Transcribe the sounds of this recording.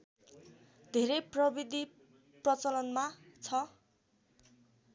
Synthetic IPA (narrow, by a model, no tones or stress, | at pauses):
d̪ʱeɾejprʌbid̪ʱi | prʌt͡sʌlʌnmat͡sʰʌ